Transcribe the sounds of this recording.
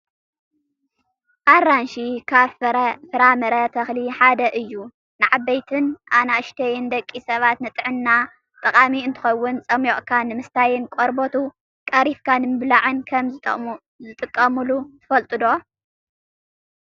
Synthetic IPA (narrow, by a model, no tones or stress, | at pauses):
ʔaɾanʃikʰaβffɨɾamɐɾɐt̪ʰɐxliħad̪ɐʔɨjːu | nɨʕabːɐjt̪ʰɨnʔanaɨʃt̪ʰɐjɪnd̪ɐkʼːisɐβat̪nɨt̪ʼɨʕɨnːa | t̪ʼɐkʼamiɨnt̪ʰɨ̥xɐwːʊnt͡sʼɐmjoʔʼkʰanɨmɨst̪ʰajɪnkʼoɾbot̪ʰu | kʼɐɾifkʰanɨmɨβlaʕɨnkʰɐmʼ | zɨt̪ʼɨkʼːɐmɨlut̪ʰɨ̥fɐlt̪ʼɨd̪o̞